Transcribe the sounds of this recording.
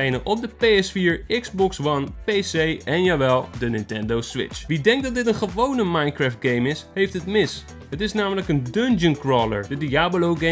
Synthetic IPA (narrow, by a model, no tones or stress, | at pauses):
ejnənʔɔp̚dəpejɛsfiːɹɪɡzbɔksʋɑnpejsejɛnjaːʋɛlˠdənɪntɛndowsʋɪ̰t͡ʃʋidɛŋk̚dɑtdɪtənχəʋownəmɑjnkɹaːft̚ɡejmɪsɦejftɦətmɪs | ɦətɪsnaːmələkəndɵnd͡ʒənkɹɔːlə̰ɹdədiaːbolowɡe